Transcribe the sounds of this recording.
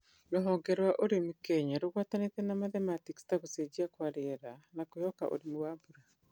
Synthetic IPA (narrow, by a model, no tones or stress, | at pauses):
noɦoŋɡeɾwaʔoɾimukeɲaɾuɣwatanetenamaðematikstakused͡ʒiakwaɾeɾanakujoka̰ʔo̰ɾimuwaːbuɾa